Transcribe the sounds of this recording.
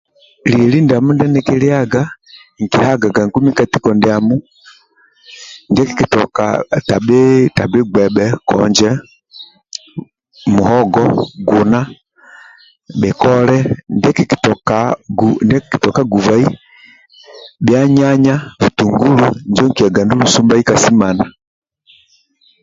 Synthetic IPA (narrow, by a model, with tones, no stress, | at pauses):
liɛli˦nda˨mu˦ndɛ˦nɛ˦kɛli˦a˦ɡa˦ | ŋ˨ki˨ha˦ɡa˨ɡa˨ŋku˦mi˦ka˨ti˦kɔndɛamu˦ | ndɛkiki˨tɔka̰ta˨bɛtabi˦ɡwɛbɛkɔ̰ɲd͡ʒɛ | mu˨hɔɡɔɡuna˦ | bɛ˨kɔlɛ˦ndɛkikitɔkaundɛ˦ki̥ki˨tɔka˦ɡuva˦i˦ | bja˦ɲa˦ɲa˦vu˨tuŋɡu˦luɲd͡ʒɔ˦ŋkia˨ɡa˨ndu˦lu˨sumba˦i˦kasi˦ma˨na˨